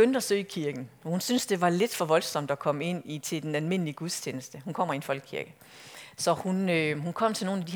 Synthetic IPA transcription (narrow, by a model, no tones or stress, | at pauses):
ønd̥æsø̰ːikʰiɐɡ̥n̩ɒhunsynsd̥e̝ʋɑ̈le̝d̥fɒ̽ʋɒ̽lsɒ̽m̰d̥ækʰɒ̽m̰əe̝n̰it͡sʰe̝d̥enælme̝n̰əliəɡ̥uðˠst͡ɕʰeːnəsd̥əhunkʰɒ̽m̰ɐienfɒ̽l̰ɡ̥kʰiɐɡ̥ə | sɒ̽hunøɦunkʰɒ̽m̰t͡sʰe̝lno̝ːnæd̥i